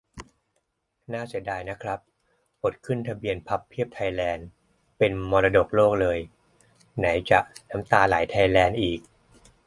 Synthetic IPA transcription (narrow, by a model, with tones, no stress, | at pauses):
naː˥˩si˨˩˦ədaː˧jna˦˥kʰɾa˦˥pː | o˨˩t̪̚kʰɯ˥˩nt̪ʰa˧bi˧ənpʰa˦˥pʰːi˥˩əp̚t̪ʰa˧jlɛː˧n | pe˧nmɔː˧la˧do˨˩k̚loː˥˩k̚lɤː˧j | na˩˦jt͡ɕa˨˩na˦˥mt̪aː˧laː˩˦jt̪ʰa˧jlɛː˧nʔiː˨˩k̚